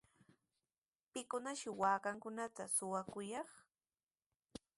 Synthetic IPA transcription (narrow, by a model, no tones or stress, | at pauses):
pɪkʊnaʃɪwaːkaŋkʊnat̪asʊwakʊjɑχ